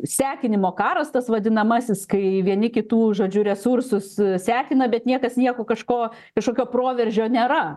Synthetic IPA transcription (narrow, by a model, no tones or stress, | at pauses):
sʲæːkʲɪnʲɪmoːkɑːɾɐst̪ɐsʋɐd̪ʲɪnɐmɐsʲɪskɐɪʋʲiɛnʲɪkʲɪt̪uːʒoːd͡ʒʲʊɾʲɛsuɾsʊssʲæːkʲɪnɐbʲɛt̪nʲiɛkɐsnʲiɛkoːkɐʃkoː | kɐʃkoːkʲoːpɾoːʋʲɛɾʲʒʲoːnʲeːɾɐ